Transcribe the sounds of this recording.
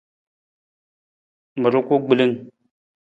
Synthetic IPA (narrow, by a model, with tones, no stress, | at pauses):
mə˨ɾu˦kʷu˦ɡ͡bi˨li˦ŋ